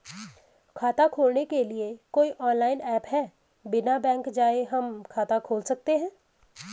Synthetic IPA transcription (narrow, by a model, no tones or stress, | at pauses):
kʰaːt̪akʰoːlnekelɪekoːiʔɔːnlaːɪnɛːpɦɛː | bɪnabɛ̃ːŋkd͡ʒaːeɦɐmkʰaːt̪akʰoːlsɐk̚t̪eɦɛ̃ː